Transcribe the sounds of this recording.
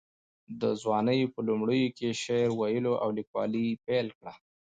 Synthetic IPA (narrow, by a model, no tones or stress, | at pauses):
d̪əzwɑnəjpəlʊmɽəjokeʃeɾwajəloʔa̰wlikwɑ̰lipelkɽa